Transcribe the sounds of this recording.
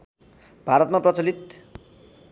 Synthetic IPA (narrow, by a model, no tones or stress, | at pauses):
b̥ʱaɾʌt̪̚maprʌt͡sʌlit̪